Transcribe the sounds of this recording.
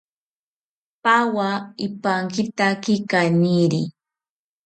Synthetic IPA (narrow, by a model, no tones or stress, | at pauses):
pawaɪpaŋkɪt̪akɪkaniɾi